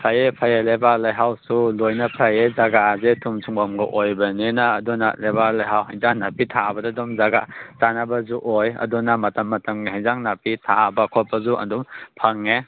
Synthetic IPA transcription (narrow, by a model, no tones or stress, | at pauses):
pʰajepʰajelebalajɦawsulojnɐpʰajezaɡazetʰumsʰuŋbamɡɐʔojbɐninɐːdunat̚lebalajɦawhajzaŋnapitʰabɐdadɔmzaɡazanabɐzuʔojɐ̰dunamɐtɐmːɐtɐmniɦajzaŋnapitʰabɐkʰɔpːɐzuʔɐ̰ndumpʰaŋːe